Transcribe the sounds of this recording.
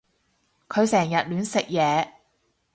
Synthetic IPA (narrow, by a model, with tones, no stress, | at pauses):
kʰɵ˨˧ɥsɛː˨˩ŋjɐ˨t̚lyː˨˧nsɪ˨k̚jɛː˨˧